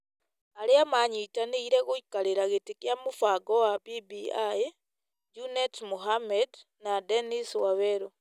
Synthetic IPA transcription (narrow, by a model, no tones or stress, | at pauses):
aleamaɲitaniiɾeɣuikaleɾaɣetikjamufaɡowapibiai | d͡ʒunetmuɦamed | nadeniswaβeɾo